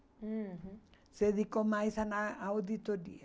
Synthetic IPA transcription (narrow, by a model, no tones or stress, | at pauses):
seðikomajsanaawd̪it̪oɾḭa